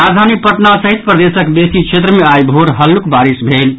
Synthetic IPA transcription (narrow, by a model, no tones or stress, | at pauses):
ɾad̪ʱanik̚pəʈnasəɦit̪pɾəd̪esəkbesit͡ʃʰet̪ɾəmeajbʱoɾɦəlːukbaɾisbʱel